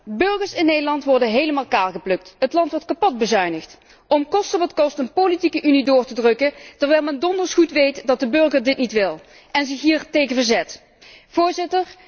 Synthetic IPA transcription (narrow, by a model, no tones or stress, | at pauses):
bɵɹɣəɹsɪnːejdəɹlɑntʋɔɹdəɦejləmaːlˠkaːlɣəplɵk̚tɦətlɑntʋɔɹtkɑpɔd̚bəzœɥnəxt | ɔmkɔstəʋɑtkɔstənpolitikəʔynidʊːɹtədrɵkətɛɹʋɛjlˠmɛndɔndəɹsχutʋejtdɑt̚dəbɵɹɣəɹdɪtnitʋɪlˠ | ɛnzɪxɦiːɹtejɣənvəɹzɛt | v̥ʊːɹzɪtəɹ